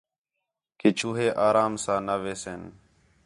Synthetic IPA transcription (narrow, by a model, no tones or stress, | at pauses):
kɪt͡ʃʰuːɦeːʔaːɾaːmsãːnaːʋeːseːn